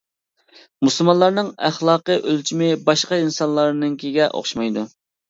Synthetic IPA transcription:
musɨlˠmɑnlˠɑɾnɨŋæχlˠɑːqəʔølt͡ʃʰimɪbɑʃqɑinsɑnlˠɑɾnɨŋkʲʰiɡʲɛʔo̰χʃmɑjd̪u

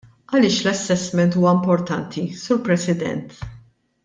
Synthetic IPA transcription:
ɐlɪːʃlɐsːɛsmɛnt̪uːwɐɪmpɔɾt̪ɐnt̪ʰisuːɾpɾɛsɪd̪ɛ̰nt̪

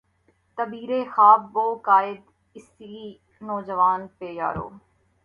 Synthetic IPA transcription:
t̪əbiːɾeːxaːbboːkaːɪd̪ | ɪsiː | nɔːd͡ʒəʋaːnpeːja̰ːɾo̰ː

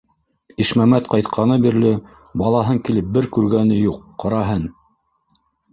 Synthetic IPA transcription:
iʃmæmæt̪qɑjt̪qʰɑnɤbiɾlɘ | bɑlˠɑɦɤŋkilɘp̚bɘɾkʉɾɡænɘjuqːɑɾɑɦɤn

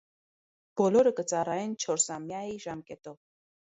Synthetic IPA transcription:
b̥ɔlɔɾəkət͡sɑrɑjɛnt͡ʃʰɔɾsɑmjɑiʒɑmkɛt̪ɔv

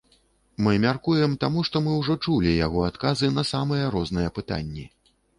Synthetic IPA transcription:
mɨmʲarkujɛmt̪amuʂt̪ɔmɨwʐɔt͡ʂulʲijaɣɔat̪kazɨnɐsamɐjɛɾɔznɨjɛpɨt̪a̰nʲːɛ

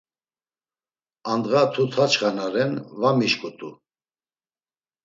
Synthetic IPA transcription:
and̪ɣat̪ʰut̪ʰat͡ʃχanaɾɛnvamiʃkʼut̪ʰʼṵ

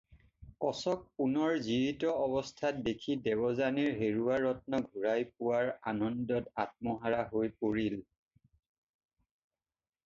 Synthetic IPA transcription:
kɔsɔk̚punɔɹziɹitɔɔbɔstʰat̚dekʰidɛbɔzaniɹɦeɹuaɹːɔt̚nɔɡʱuɹajpuwaɹanɔndɔtat̚mɔɦaɹaɦojpoɹil

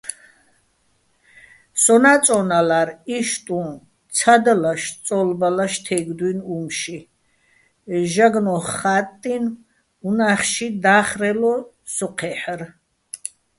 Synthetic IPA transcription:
sɔnat͡sʼɔnalaɾiʃt̪ʼũn | t͡sʰad̪alaʃt͡sʼɔlbalaʃt̪ʰɛɡd̪winumʃi | ʒaɡnɔχːat̪ʼːin | unaχʃid̪aːχɾɛlɔ | sɔqʰɛħəɾ

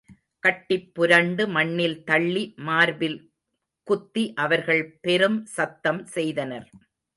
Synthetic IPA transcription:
kɐʈːɪpːʊɾɐɳɖɯmɐɳːɪlt̪ɐɭːimaːɾʋɪl | kʊt̪ːiʔɐʋɐɾɣɐɭpɛɾɯmsɐt̪ːɐmsɛjðɐnɐɾ

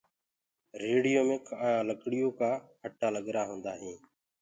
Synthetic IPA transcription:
ɾeːɽijoːmɪːkʰãːləkɽɪjoːkaːhʰəʈʰːaːləɠɾaːɦõːnd̪aːɦĩː

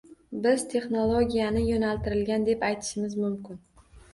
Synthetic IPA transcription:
bɪzt̪ʰe̞χnolˠoɡʲijanɪjonalt̪ʰɪɾɪlɡʲand̪e̞pajt̪ʰɪ̥ʃɪmɪzmʊmkʲɪn

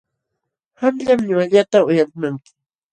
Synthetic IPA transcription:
hamʎamɲʊaʎat̪aʊjalmaŋkɪ̥

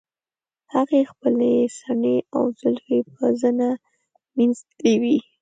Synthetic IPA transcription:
haɣexpəlesaɳeawzʊlfep̚əzəna | manzewi

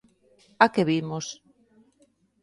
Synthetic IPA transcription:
akeβimos

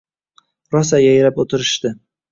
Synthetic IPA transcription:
ɾɒsajajɾapot̪ʰɪɾɪʃt̪ɪ

